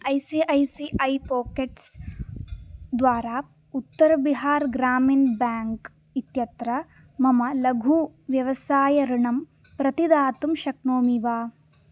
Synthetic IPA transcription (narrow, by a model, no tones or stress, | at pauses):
ɐjsiʔɐjsiʔɐjpoːkeʈs | d̪ʋaːɾaː | ut̪ːɐɾɐbiɦaːɾɡɾaːmiːnbaːŋk | it̪jɐt̪ɾɐ | mɐmɐlɐɡʱuːʋjɐʋɐsaːjɐɾuɳɐm | pɾɐt̪id̪aːt̪umʃɐkɳoːmiʋaː